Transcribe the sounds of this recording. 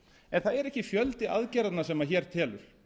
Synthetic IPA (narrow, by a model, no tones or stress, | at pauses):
ɛnθaðɛɾɛhcɪfjœlt̪ɪaðcɛːɾat̪nasɛmaçɛːɾ̥t̪ʰɛːlʏɾ̥